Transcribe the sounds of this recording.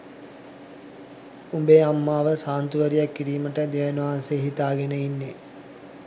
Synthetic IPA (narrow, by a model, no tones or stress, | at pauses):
umbeamːaːʋəsaːnt̪uʋəɾijakːiɾiːməʈəd̪eʋenuʋaːnseːɦit̪aːɡenəinːe